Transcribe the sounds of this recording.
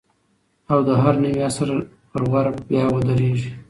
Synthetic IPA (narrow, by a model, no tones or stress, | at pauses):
awd̪əɦaɾnawiasaɾa | pəɾwaɾbjɑwəd̪aɾeʒi